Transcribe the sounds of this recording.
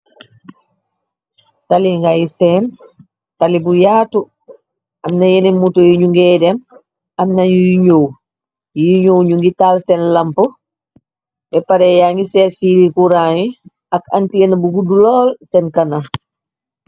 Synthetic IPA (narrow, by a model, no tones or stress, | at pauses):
taliŋɡajisɛn | talibujaːtu | ɐmnɐjenimutojiɲuŋɡɛːdɛm | ɐmnɐɲujiɲow | jijiɲowɲuŋɡitalsɛnlɐmpo | bɛpaɾɛjaŋɡisɛːtfiːlikuɾaːji | ɐkɐ̰ntiɐnabukudulɔːlsɛnkɐna